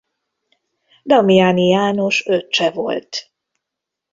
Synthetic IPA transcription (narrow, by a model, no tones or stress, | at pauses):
d̪ɒmijaːnijaːno̞ʃøt̪ːt͡ʃɛvo̞̰lt̪